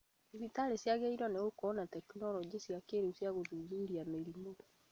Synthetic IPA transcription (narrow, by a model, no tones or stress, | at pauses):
iβitaɾesjaɣeiɾɔneɣokɔnatɛkunɔɾɔd͡ʑesjakeɾeusjaɣodud͡ʒuɾiameɾimoɾɔ